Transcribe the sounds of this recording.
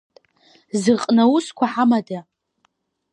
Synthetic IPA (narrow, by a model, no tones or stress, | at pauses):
zɨqʼnawuskʷʰaħamada